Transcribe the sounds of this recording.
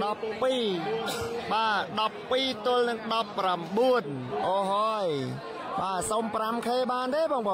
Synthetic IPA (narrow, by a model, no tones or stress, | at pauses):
ɗɑpːiː | ɓaːɗɑpːiːt̪ʊ̆əlnɨŋɗɑpːramɓuənʔɔːɦɔːj | ɓaːsoːmpramkʰeːɓaːnt̪eːɓɔːŋɓɔː